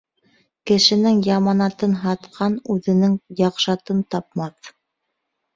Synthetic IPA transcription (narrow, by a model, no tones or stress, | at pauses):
kɘ̆ʃɘ̆nɘŋjɑmɑnɑt̪ɤnɦɑt̪qʰɑnʉðɘ̆nɘŋjɑqʃɑt̪ɤnt̪ɑp̚mɑθ